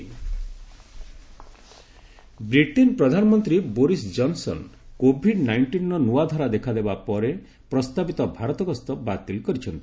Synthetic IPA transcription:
bɾiʈinpɾɔd̪ʱanɔmɔnt̪ɾiboɾisd͡ʒɔnsɔ̰nkobʱiɖnajɳʈinːɔnuad̪ʱɔɾad̪ekʰad̪ebapɔɾe | pɾɔst̪abit̪ɔbʱaɾɔt̪ɔɡɔst̪ɔbat̪ilkɔɾit͡ʃʰɔnt̪i̥

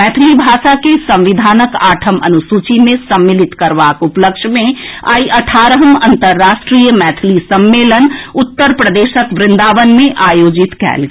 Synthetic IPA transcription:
mɛːt̪ʰlibʱaːʃakesə̃mʋɪd̪ʱaːnəkaːʈʰəmə̰nusut͡ʃimẽsəmːɪlɪt̪kəɾʋaːkupləkʃmẽa̰ːiʔəʈʰaːɾəɦəmɐ̃nt̪əɾːaːʃʈɾijəmɛːt̪ʰlisəmːeːlənʊt̪ːəɾpɾəd̪eːʃəkʋɾɪ̃nd̪aːʋənmẽʔaːjoːd͡ʒɪt̪kɛ̰ːlɡ

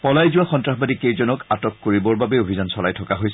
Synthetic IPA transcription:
pɔlajzʊwaxɔntɹaxbadikejzɔnɔkatɔkːoɹibɔɹbabɛobʱizansɔlajtʰɔkaɦojs

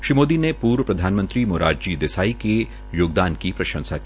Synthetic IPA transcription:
ʃɾimoːd̪inepuːɾwəpɾɐd̪ʱaːnmə̃nt̪ɾimoːɾaːd͡ʒd͡ʒiːd̪ɪsaːike | joːɡd̪aːnkipɾɐʃə̃nsaki

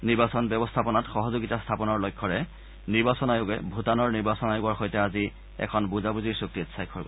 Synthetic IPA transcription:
niɹbasɔnbɛbɔstʰapɔnatxɔɦɔzoɡitastʰapɔnɔɹlojkʰːɔɹɛ | niɹbasɔnajʊɡɛ̰bʱutanɔɹniɹbasɔnajʊɡɔɹxojtɛazi | ɛ̰kʰɔnbuzabuziɹsuk̚titsajkʰɔɹɡɔ

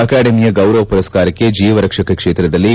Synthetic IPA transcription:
ɐkaːɖɐmijɐɡɐwɾɐʋɐpuɾɐskaːɾɐkːed͡ʒiːʋɐɾɐkʂɐkɐkʂeːt̪ɾɐd̪ɐlːi

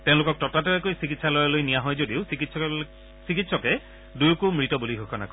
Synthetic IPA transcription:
tẽʊ̃lʊkɔk̚tɔtatɔɛkojsikitsalɔjalojnijaɦɔjzodiʊsikits | sikitsɔkɛ | dujkumɹitɔbuliɦokʰɔna̰kɔ

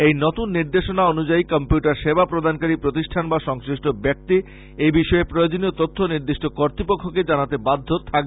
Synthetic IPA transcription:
ejnot̪unːiɾd̪eʃonaonud͡ʑaikɔmpjuʈaɾʃebapɾod̪ʱankaɾipɾot̪iʃʈʰanbaʃɔŋsɾiʃʈobɛk̚t̪i | ejbiʃɔepɾojod͡ʑoniot̪ot̪ʰːoniɾd̪iʃʈokoɾt̪ɾipokʰːoked͡ʑanat̪ebad̪ʱːot̪ʰak

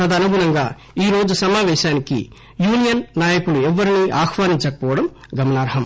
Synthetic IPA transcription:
ɐd̪ɐnuɡunɐŋɡaː | iːɾo̞ːd͡ʒusɐmaːʋɛːʃaːnikḭ | juːnijɐnːaːjɐkuluɛʋːɐɾiniːʔaːxʰʋaːniɲt͡ʃɐkɐpɔːʋɐɽɐm | ɡɐmɐnaːɾɦɐm

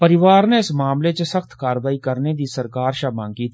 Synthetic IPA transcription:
pəɾɪʋaːɾneɪsmaːmlet͡ʃəsəkʰt̪ʰkaːɾʋaːikəɾned̪iːsəɾkaːɾʃaːmãːŋɡkiːt̪ʰ

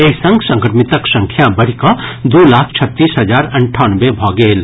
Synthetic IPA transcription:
eːsɐ̃ŋɡsɐ̃ŋkɾmɪt̪əksɐ̃ŋkʰjabɐɽ̤ikad̪oːlaːkʰt͡ʃʰɐt̪ːiːsɦɐd͡ʒaːɾɐ̃ɳʈʰaːnʋebʱɔːɡeːl

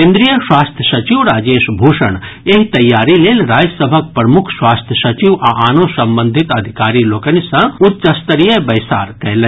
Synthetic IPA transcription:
kẽːnd̪ɾijəswaːst̪ʰjəsɐt͡ʃiʋɾaːd͡ʒeːʃbʱoːʃəɳ̃ | eɦt̪ɐjːaːɾileːlɾaːd͡ʒsəbʱək̚pɾɐmʊkʰswaːst̪ʰjəsɐt͡ʃiʋaʔaːnõsɐ̃mbə̃nd̪ʱɪt̪ɐd̪ʱɪkaːɾiloːkənisɐ̃ʊt̪̚t͡ʃɐst̪əɾijəbɐjsa̰ːɾkɛɦlə̃

